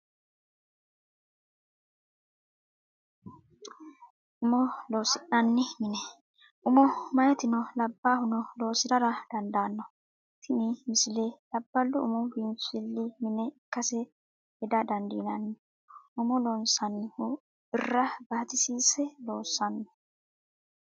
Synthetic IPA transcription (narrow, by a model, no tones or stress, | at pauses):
ʔʊmɔlo̞ːsɪʔɐnːɪmɪnɛ | ʔʊmɔmɐjɛt̪ɪnɔlɐbːaːhʊnɔlo̞ːsɪd̪ɐɾɐd̪̥ɐnd̪aːnːɔ | t̪ʰɪnɪmɪsɪleːlɐbːɐlːʊʊmɔbinfɪlːɪmɪnɛɪkːɐsɛ | hɛd̪ɐd̪ɐnd̪inɐnːɪ | ʔʊmɔloːnsɐnːɪhʊ | ɪrːɐbɐt̪ɪsiːsɛlo̞ːsːɐnːɔ